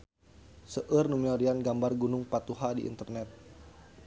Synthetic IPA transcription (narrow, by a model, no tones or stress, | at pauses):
səʔərnumiɔɾianɡambarɡunʊŋpat̪uɦadḭʔḭnt̪ərnɛt̪̚